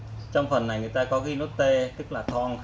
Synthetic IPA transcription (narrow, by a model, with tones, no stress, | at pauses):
t͡ɕɔ˧wŋ͡mfə˨˩nːa˨˩jŋɨ˨˩əjt̪aː˧kɔ˨˦ɣi˧no˦˥t̚t̪e˧t̪ɨ˦˥k̚laː˨˩t̪ʰɔ˧ŋ